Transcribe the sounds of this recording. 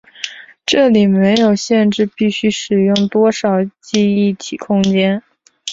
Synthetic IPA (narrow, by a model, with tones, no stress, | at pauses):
ʈ͡ʂɤ˥˩li˨˩me˧˥ɪjo˨˩ʊɕjɛ˥˧nʈ͡ʂɻ̩˥˧pi˥˩ɕy˥ʂɻ̩˨˩jʊ˥˩ŋt̪wɔ˥ʂɑ˨˩ʊt͡ɕi˥˧i˥˩t̪ʰi˨˩kʰʊ˥ŋt͡ɕjɛ˥n